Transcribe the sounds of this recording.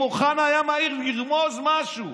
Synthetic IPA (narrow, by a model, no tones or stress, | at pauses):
oχanajamaiʁbiʁmozmaʃu